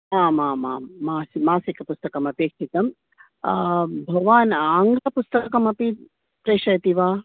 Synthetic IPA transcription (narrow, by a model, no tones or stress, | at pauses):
maːmaːmaːaːsimaːsikɐpust̪ɐkɐmɐpeːkʂit̪ɐm | bʱɐʋaːnaːŋɡlɐpust̪ɐkɐmɐpi | pɾeːʂɐjɐt̪iʋaː